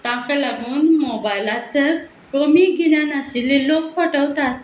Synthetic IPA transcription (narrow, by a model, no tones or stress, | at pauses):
t̪ãkəlaɡuːnmɔbajlat͡səɾ | kəmiɡinjanat͡ɕililokfəʈəwt̪at̪̚